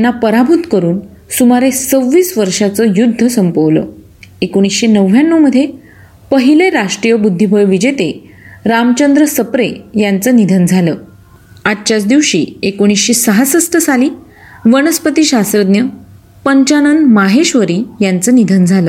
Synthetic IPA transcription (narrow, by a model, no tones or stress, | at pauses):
jjanːapəɾabʱut̪kəɾuːn | sumaɾet͡səʋːiːsʋəɾʂat͡səjud̪ʱːəsəmpəʋlə̰ | ekoɽ̃isɕenəʋːjanːəməd̪ʱːje | pəɦileɾaʂʈɾijəbud̪ʱːibʱəjʋid͡ʑet̪e | ɾamt͡ɕənd̪ɾəsəpɾejant͡sənid̪ʱənd͡zʱaləː | aʈ̚t͡ɕat͡sd̪iʋɕḭːekoɽ̃isɕesəɦasəsʈ̪ʰəsaliː | ʋəñəspət̪iːɕasɾəd̪njə | pəɲt͡ɕanənd̪maɦeɕʋəɾiːjant͡sənid̪ʱənd͡zʱaləː